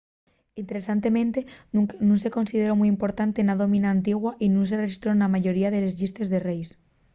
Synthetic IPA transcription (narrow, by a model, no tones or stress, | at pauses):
int̪e̞ɾesant̪e̞mẽ̞nt̪e̞nũnse̞ko̞nsið̞eɾo̞mujimpo̞ɾt̪ant̪e̞naðo̞mĩnaːnt̪iɣwaʔinũns̬ereʃist̪ɾo̞namaʝo̞ɾiaðe̞le̞zʝist̪e̞zðerejs